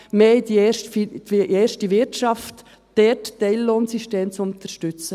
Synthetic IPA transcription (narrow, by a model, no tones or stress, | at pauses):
mhɛɪdiɛʃtfieːɾʃtiʋɪɾtʃɑft | d̥ɛttɛɪlloːnsiʃteːmt͡sʊnt̪əɾʃtʏt͡sə